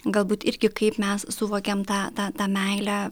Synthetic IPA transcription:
ɡɐlˠbuːt̪ɪɾʲɡʲɪkɐɪpmʲɛssʊʋoːkʲɛmt̪ɑːt̪ɑːt̪ɑːmʲɛɪlʲæ

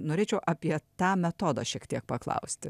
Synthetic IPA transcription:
noːɾʲeːt͡ʃʲɛʊʔɑːpʲiɛt̪ɑːmʲɛt̪oːd̪ɑ̰ːʃʲiɛkt̪ʲiɛk̚pɐklˠɐ̰ʊsʲt̪ʲɪ

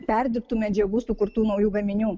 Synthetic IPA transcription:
pʲɛɾʲd̪ʲɪɾp̚t̪uːmʲɛd͡ʒʲɛɡuːsʊkʊɾt̪uːnɐʊjuːɡɐmʲɪnʲuː

